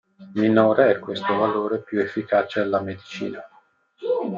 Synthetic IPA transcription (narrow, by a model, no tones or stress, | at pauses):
minoːɾeɛkːwest̪ovaloːɾepjuefːikaːt͡ʃealːamed̪it͡ʃḭːna